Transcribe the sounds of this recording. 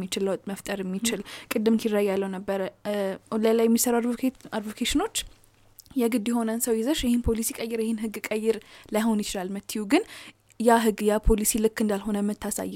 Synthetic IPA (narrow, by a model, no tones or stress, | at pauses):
it͡ʃɪlːt̪ʼməft̪ʼəɾɛmːit͡ʃɪlkʼɨd̪ːɨmkirːəjːalːəwnəbːəɾə | ləlːajɛmːisəɾaad̪vokʰeʃɪno̞t͡ʃː | jɛɡɨd̪jɪho̞nənsəwjɪzəʃjɛhɪnpʰo̞lisikʼəjːɪɾjɛhɪnɦɨɡːkʼəjːɪɾlajho̞njɪt͡ʃɪlalmɨt̪ʰːijuɡɨn | jaɦɨɡːjapʰo̞lisilɨkːɨnd̪alɦo̞nəmɨt̪ʰːasa̰jː